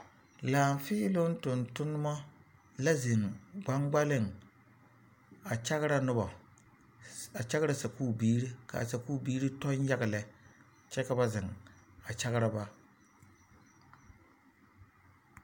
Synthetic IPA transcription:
laː˨m˨fɪː˦lʊ˦n˦tʊ˨ntʊ˦nʊ˦mɔ˦ | la˦zɪ˨ŋɡ͡ba˦ŋɡ͡ba˦lɪ˦˨ŋ | a˨t͡ʃa˦ɣɪ˦ɾa˦nʊ˦bɔ˨ | a˨t͡ʃa˦ɣɪ˦ɾa˨sa˨kuː˦˨biː˦ɾi˦ka̰˨sa˨kuː˦˨biː˦ɾɨ˦tɔ˦ɲ˦ja˦ɡɪ˨lɛ˨ | t͡ʃɛ˦ka˨ba˦zɪ˨ŋa˨t͡ʃa˦ɣɪ˦ɾa˦ba˦

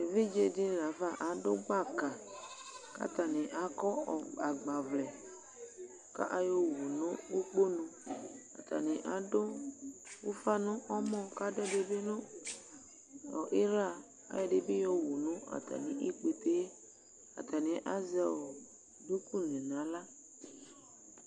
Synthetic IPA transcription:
e˨vi˦d͡ʒe˦di˦n˨na˨fa˦ʔa˨dʊ˦ɡ͡ba˦˨ka˨ | ka̰˦ta˨nɪ̃˨ʔa˨kɔ˦ɔ˨a˨ɡ͡ba˨vlɛ˨ | ka̰˦ʔa˦jɔ˦wu˨nʊ̃˦u˦k͡po˦nʊ̃˨a̰˨ta̰˨nɪ̃˨ʔa˨dʊ˦ | wu˦fa˦nʊ̃˦ʔɔ˦mɔ̃˦˨ka˦dɛ˦de˨be˦nʊ̃˦ | ɔ˨ʔi˦ɾa˦˨ | a̰˨˦jɛ˨de˨bi˦jɔ˦wu˨nʊ̃˦a̰˨t̪a̰˨nɪ̃˨ʔi˦k͡pe˨t̪e˦ | a̰˨ta˨nɪ̃˨ʔa˦zɛ˦˨wɔ˨ | du˦ku˦nɛ̃˨nã˨˦la˦

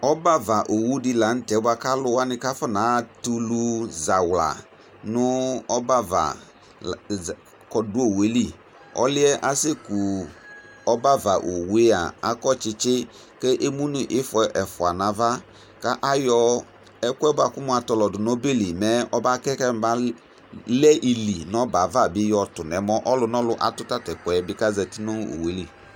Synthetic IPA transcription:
ɔ˦ba˦va˨ʔo˨wu˦dɪ˦la˨˦n̩˦tɛ˨˦ba˨ka˦lʊ˦wa˦nɪ˦ka˦fɔ˦na˨˦˨tu˦lu˦za˨wla̰˨ | nʊ˦ɔ˦ba˦va̰˨ | kɔ˨dʊ˦o˨we˨˦li˦˨ | ɔ̰˦lɪ˦ɛ˦ʔa˦se˦ku˨ | ɔ˦ba˦va˨ʔo˨we˦a̰˨a˨kɔ˦t͡ʃɪ˦t͡ʃɪ˦ | ke˦ʔe˦mu˦nu˨ʔɪ˦fʊ˨˦ɛ˨˦ʔɛ˨fʊ˨a˨na˨va˦ | ka˦ʔa˦jɔ˦ | ɛ˦kʷɛ˦ba˨kʊ˦mu˦a˨tɔ˨lɔ˨dʊ˨no˦be˦li˨mɛ˨˦ɔ˦ba˦kɛ˦ka˦m˨ba˦ | lɛ˦ʔi˨li˨nɔ˦ba˨va˦˨bɪ˦jɔ˨tʊ˨n˨ɛ˨˦mɔ˦ʔɔ˦lʊ˦nɔ˦lʊ˦ʔa̰˨tʊ˦ta˦tɛ˨kʷɛ˨˦bɪ˦ka˦zɛ˨tɪ˦nu˦o̰˨we˨˦li˦˨

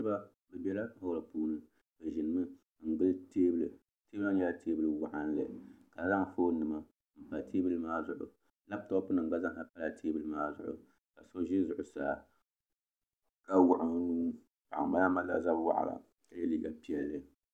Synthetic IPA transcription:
ɨ˦ba˦ | bɨ˨bɛ˦la˦ho˦ɾa˨puː˦nɨ˨ | bɨ˨ʒɪ˨nɨ˨mɨ˦ | ŋ̩˨ɡ͡bɨ˦lteː˦bɨ˦lɨ˨ | te˦ba˦ɛ˦la˦tʰeː˦bɨ˦lɨ˨wa˦˨ʔa˦nlɨ˨ka˨˦za˦ŋ˨foː˦nɨ˨ma˦ | m̩˨pa˨tʰeː˦bɨ˦lɨ˦maː˦zʊ˨ʔʊ̰˨ | la˦b̚tɔ˦pʊ˦nɨ˨ŋ˨ɡ͡ba˦za˦ŋ˨ka˨pa˦la˨tʰeː˦bɨ˦lɨ˦maː˦zʊ̰˨ʔʊ̰˨ | ka˨so˦ʒɪ˦zʊ˨ʔʊ˨sa̰ː˨ | ka˦wʊ˨ʔa˨ | pa˨ʔa̰˨ma˦ja˦ma˦la̰˨za˦bwa̰˦ʔa̰˨la̰˨ | ka˨jɛ˦liː˦ɡa˨pi˦ɛ˨lːɨ˦

